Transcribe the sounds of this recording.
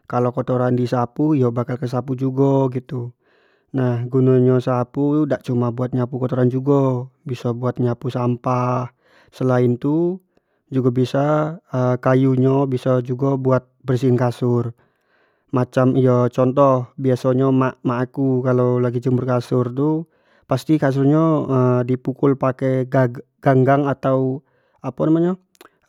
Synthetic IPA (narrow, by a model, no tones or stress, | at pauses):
kalokot̪oɾandisapuijɔbakalkəs̬apud͡ʒuɡɔɡit̪u | nahɡunaɲɔsapudaʔt͡ʃumabuat̪̚ɲapukɔt̪oɾand͡ʒuɡɔbisɔbuat̪̚ɲapusampah | səlaɪnt̪u | d͡ʒuɡabisaəkajuɲɔbisad͡ʒuɡabuat̪̚bərsinkasʊr | mat͡ʃamijat͡ʃɔnt̪ɔhbiasaɲamamaːkukalawlaɡid͡ʒəmʊrkasʊrt̪u | past̪ikas̬urɲaədipukʊlpakɛɡa | ɡ̥aŋɡaŋat̪au | apanamaɲa